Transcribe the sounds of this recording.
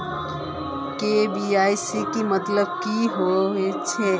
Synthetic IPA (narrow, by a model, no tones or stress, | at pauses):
kebiajsikimət̪ləb̚kiɦoet͡ʃʰɛ